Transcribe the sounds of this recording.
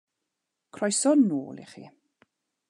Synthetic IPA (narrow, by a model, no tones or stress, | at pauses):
kʰrɔjsɔdno̰ːlˠḭχḭ